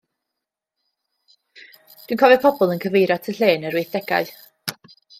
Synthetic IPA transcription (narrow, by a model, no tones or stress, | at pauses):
d̥winkʰɔvɛpʰɔbʊlˠənkʰəvejɾatʰəɬeːnəɾwiːθd̥ɛɡa̰ɨ